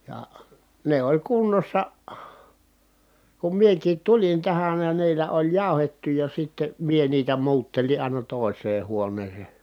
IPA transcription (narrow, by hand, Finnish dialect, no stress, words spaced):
jɑ ne olʲ kunːosːɑ kum miekiːt tulin tæhæn jɑ niːlːæ olʲ jɑˑu̞hetːu jɑ sitːe mie niːtæ muːtːelin̞ ɑˑinɑ toˑi̯sˑeː huonˑeːse